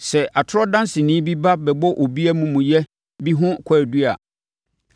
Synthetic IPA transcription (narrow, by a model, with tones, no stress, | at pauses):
sɛ˨a˨tʰʊ˦ɾɔ˦dã˦nsɪ˨nɪ̃ː˦bi˦ba˦bɛ˨bɔ˦ʔo˨bi˦æ˦mũ˨mũ˨jɛ˦ | bi˦ɦʊ̃˦kʷʰaː˨ɾdu˦a̰˨